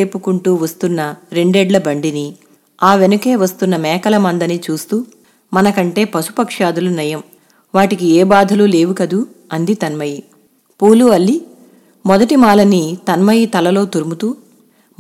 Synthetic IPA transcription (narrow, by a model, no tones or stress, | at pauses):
eːpukuɳʈuːʋɐst̪unːɐɾe̞ɳɖeːɖlɐbɐɳɖini | aːʋe̞nuke̞ːʋɐst̪unːɐmɛːkɐlɐmɐnd̪ɐnit͡ʃuːst̪uː | mɐnɐkɐɳʈe̞ːpɐsu̥pɐkʂaːd̪ulunɐjɐm | ʋaːʈikieːbaːd̪ʱɐlule̞ːʋukɐd̪u | ɐnd̪it̪ɐnmɐji | puːluɐlːi | mɔd̪ɐʈimaːlɐnit̪ɐnmɐjit̪ɐlɐlo̞ːt̪uɾumut̪uː